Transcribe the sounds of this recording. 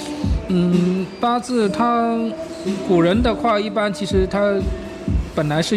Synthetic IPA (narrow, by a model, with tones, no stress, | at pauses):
n̩˥˩pa˥t͡sɹ̩˥˩t̪ʰa˥ | ku˨˩ɻə˧˥nd̪ə˨kʰwa˥˧i˥˩pa˥nt͡ɕʰi˧˥ʂɻ̩˧˥t̪ʰa˥ | pə˨˩nla˧˥ɪʂɻ̩˥˩